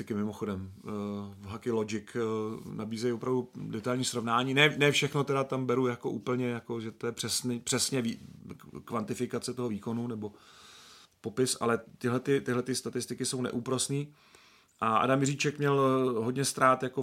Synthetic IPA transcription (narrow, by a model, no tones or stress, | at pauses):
ɪkɪmɪmoxo̞dɛm | ɦakɪlod͡ʒɪknabiːzɛjopɾavdudɛt̪ajlɲiːsɾo̞vnaːɲiːnɛnɛːfʃɛxnot̪ɛɾat̪ambɛɾujako̞ʔuːpl̩ɲɛjako̞ʒɛt̪o̞jɛpr̥ɛsnipr̥ɛsɲɛvi | kvant̪ɪfɪkat͡sɛt̪o̞ɦo̞viːko̞nunɛbo̞ | po̞pɪsa̰lɛt̪ɪɦlɛt̪ɪt̪ɪɦlɛt̪ɪst̪at̪ɪst̪ɪkɪso̞wnɛ̰ʔuːpɾosniː | ʔaʔa̰damjɪriːt͡ʃɛkmɲɛlɦo̞dɲɛst̪ɾaːt̪jako